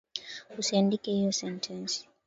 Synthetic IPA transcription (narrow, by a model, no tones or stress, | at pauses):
usiandikɛhijɔsɛntʰɛnsi̥